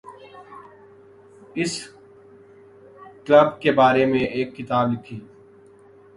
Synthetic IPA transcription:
ɪs | kləbkebaːɾemẽʔeːkːɪt̪aːblɪkʰiː

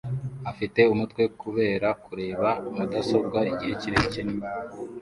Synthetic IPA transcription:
afite̞umutwe̞kuβe̞ːɾakuɾe̞ːβaːdaso̞b̚ɡaiɟihe̞ciɾeicenimaβo

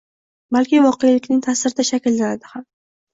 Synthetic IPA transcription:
balkʲɪvɒqejalɪkʲnɪŋt̪ʰasɪɾɪd̪aʃakʲlːanad̪ɪham

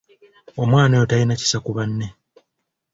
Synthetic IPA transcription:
omwaːnajotalinaci̥sakuβanːe̞

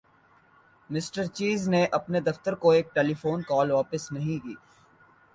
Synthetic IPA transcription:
mɪsʈəɾt͡ʃiːzneʔɐpned̪ɐft̪əɾkoeːk̚ʈeːlifoːnkɔːlʋaːpɪsnɐɦĩkiː

